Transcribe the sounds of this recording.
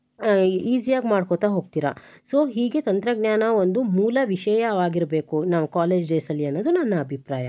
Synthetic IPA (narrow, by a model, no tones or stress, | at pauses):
iːzijaːɡmaːɖkot̪aːɦo̞ːɡ̚t̪iːɾɐ | so̞ːɦiːɡe̞t̪ɐnt̪ɾɐɡnjaːnɐo̞nd̪umuːlɐʋiʃɛjɐʋaːɡiɾbeːkunɐʋɐkaːle̞ːd͡ʒɖeːsɐlːiɐnːoːd̪unɐnːɐːbʱipɾaːjɐ̰